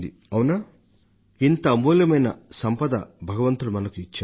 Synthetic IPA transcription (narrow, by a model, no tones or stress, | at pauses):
d̪ḭ | ɐwunaː | int̪ɐːmuːljɐmɐjnɐ̰sɐmpɐd̪ɐbʱɐɡɐʋɐnt̪uɽumɐnɐkuit͡ʃːa